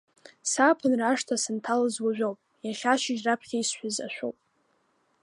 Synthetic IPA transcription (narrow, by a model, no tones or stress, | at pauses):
sapʰɨnraʂtʰasɨntʰalɨzwaʒᶣʷowpʼjaχʲaʃɪʒrapʰχʲaisħʷᶣaza̰ʃʷᶣo̰wpʼ